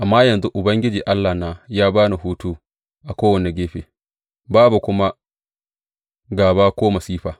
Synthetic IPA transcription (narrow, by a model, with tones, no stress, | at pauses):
ʔa˨mːaː˦jɐ˨nzu˦ʔʊ˨bɐ˦ŋɡʲɪ˦d͡ʒiː˨ʔa˦lːa˨hnaː˦jaː˦baː˦ni˨ɦuː˦tu˦ | ʔa˨kʷoː˦wɐ˨ne˨ɡʲeː˦ɸeː˨ | baː˦bu˨kʷʊ˦ma˦ | ɡaː˨baː˦kʷoː˦mɐ˨siː˦ɸaː˨